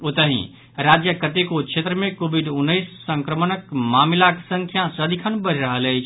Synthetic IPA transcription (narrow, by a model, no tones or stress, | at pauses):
ot̪əɦḭ̃ | ɾad͡ʒjəkət̪ekot͡ʃʰet̪ɾəmekobiɖunːəɪsːəŋkɾəmənəkmamilaksə̃ŋkʰjasəd̪ikʰənbəɾɾəɦələjt͡ʃʰ